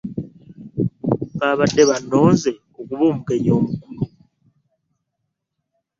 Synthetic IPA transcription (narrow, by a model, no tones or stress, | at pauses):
βaβade̞βano̞ːnze̞ | okuβoːmuke̞ɲoːmukulu